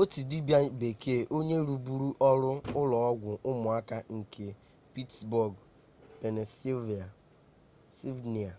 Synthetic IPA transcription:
o˦ti˨di˦bja˦be˨kʰe˦˨ʔo˦ɲe˦ɾu˨bu˦ɾu˦ʔɔ˦ɾʊ˦ʊ˦lɔ˨ɔ˦ɡʷʊ˨ʔʊ˦mʊ˨a˦ka˦ŋ̩˨ke˨ | pi˦tsbɔ˨ɡ | pe˨ne˨si˦vi˨a˨ | si˦vni˨a˨

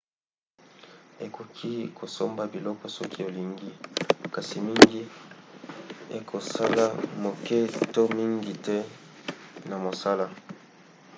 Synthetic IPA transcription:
e˨ko˨kʰi˦kʰo˨so˦mba˨bi˨lɔ˦kɔ˨sɔ˦ki˦o˨li˨ŋɡi˦ka˨si˨mi˦ŋɡi˦ | e˨kʰo˨sa˦la˦mo˨kɛ˦to˦mi˦ŋɡi˨tɛ˦ | na˨mo˨sa˦la˦

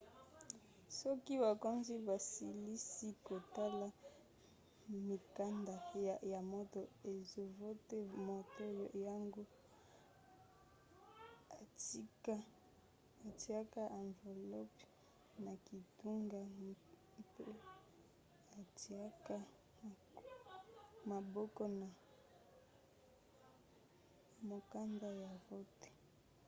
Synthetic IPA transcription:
sɔ˦ki˦βa˨ko˦nzi˦ba˨si˨li˦si˦ko˨ta˦la˦ | mi˨ka˦nda˨ja˨mo˦to˦e˨zo˦vo˦te˦mo˨to˦ja˦ŋɡo˦ | a˨ti˦ka˦ | a˨ti˨a˦ka˦ʔa˨ɱve˨lɔ˦pi̥˦ | na˨ki˨tu˦ŋɡa˦ | pe˦ | a˨ti˨a˦ka˦˨ | ma˨bɔ˦kɔ˦na˨ | mo˨ka˦nda˦ja˨vo˦te̥˦

